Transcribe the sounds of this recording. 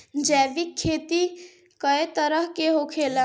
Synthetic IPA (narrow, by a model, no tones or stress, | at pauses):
d͡ʒɛːʋikʰːeːt̪i | kəet̪əɾəɦkeɦokʰela